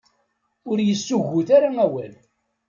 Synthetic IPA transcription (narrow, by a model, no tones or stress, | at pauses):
ʊɾjəsːuʝːuθaɾaæwæl